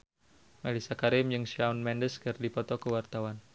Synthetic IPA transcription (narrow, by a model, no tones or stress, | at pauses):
malisakaɾɪmjɨŋʃaunmɛndəskərdipɔt̪ɔkəwart̪awan